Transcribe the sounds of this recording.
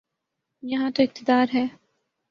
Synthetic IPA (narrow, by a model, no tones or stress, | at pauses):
jɐɦãt̪oɪq̚t̪ɪd̪aːɾɦɛː